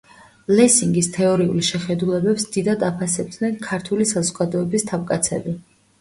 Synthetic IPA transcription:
lɛsiŋɡist̪ʰɛɔɾiulʃɛχɛd̪ulɛbɛpsd̪id̪ad̪apʰasɛb̚d̪nɛnkʰaɾt̪ʰulisazɔɡad̪ɔɛbist̪ʰavkʼat̪sʰɛ̰bi

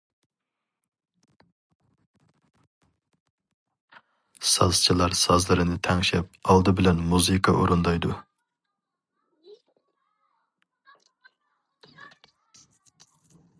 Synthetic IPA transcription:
sɑzt͡ʃʰilˠɑɾsɑzlˠɨɾɨnɪt̪ʰɛŋʃɛp̚ɑlˠd̪ɨbɪlɛnmuzɨkʰɑʔuɾund̪ɑjd̪u

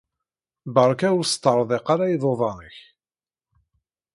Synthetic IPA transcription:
bəɾˤkæwʊɾst̪ˤːəɾˤðˤeqaɾajiðˤoðˤɑnəç

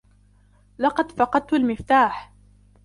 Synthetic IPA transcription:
lɑqɑd̪fɑqɑd̪̚t̪ʊlmɪft̪aːħ

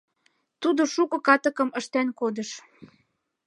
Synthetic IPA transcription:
t̪ud̪oʃukɤ̆kɑt̪ə̆kɤ̆məʃt̪ænkod̪ə̆ʃ

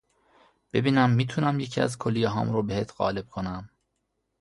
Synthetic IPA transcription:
b̥e̞biːnæmːiːt̪ʰuːnæmjecʰiæ̰zkʰolːijeɦɒ̰ːmɾobeheːt̪ʰɢɒ̰ːle̞b̥̚kʰo̞næm

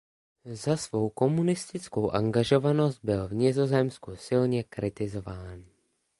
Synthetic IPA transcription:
zasvo̞wko̞munɪst̪ɪt͡sko̞wʔaŋɡaʒo̞vano̞st̪̚bɪlvɲɪzo̞zɛmskusɪlɲɛkɾɪt̪ɪzo̞vaːn

